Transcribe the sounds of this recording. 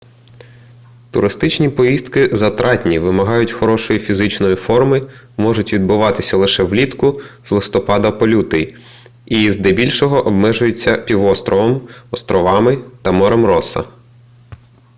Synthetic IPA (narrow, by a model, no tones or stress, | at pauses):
t̪ʊɾɪst̪ɪt͡ʃnʲipɔjist̪kɪzɐt̪ɾʔɑtʲnʲiʋɪmɐɦɑjʊtʲxɔɾɔʃɔjifʲizɪt͡ʃnɔjifɔrmɪ | mɔʒʊtʲʋʲid̪̚bʊʋɑt̪ɪsʲɐlˠɪʃɛwlʲit̪kʊz̥lˠɪst̪ɔpɑd̪ɐpɔlʲut̪ɪj | izd̪ɛbʲilʲʃɔɦɔʔɔbmɛʒʊjʊt͡sʲːɐpʲiʋɔst̪ɾɔʋɔmɔst̪ɾɔʋɑmɪt̪ɐmɔɾɔmɾɔsɐ̰